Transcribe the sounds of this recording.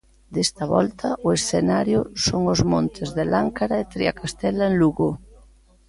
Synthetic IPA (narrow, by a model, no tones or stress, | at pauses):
d̪est̪ɐβɔ̰lt̪ʰɐʔʊesθenaɾjʊsoŋʊzmont̪ʰɪzðelaŋkaɾaet̪ɾiakast̪ɛlaeŋluɣo